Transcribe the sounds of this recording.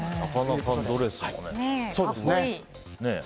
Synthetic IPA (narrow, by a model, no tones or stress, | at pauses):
nakanakãd̪oɾeskakneso̞ːddesɨne | ne